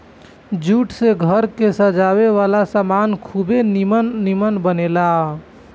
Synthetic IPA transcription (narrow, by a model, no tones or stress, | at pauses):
d͡ʒuʈseɡʱəɾkesəd͡ʒaβeʋalasamankʰubenimənːimənbənela